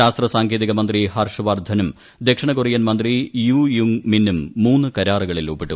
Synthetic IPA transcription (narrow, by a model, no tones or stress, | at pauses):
aːst̪rɐsaːŋɡeːðiɣɐmɐnd̪rihɐrʂɐʋaːrd̪ʱɐnum | d̪ekʂɐɳɐkurijɐnmɐnd̪rijuːjuŋminːumːuːnːukɐɾaːriɣɐɭilubːiʈːu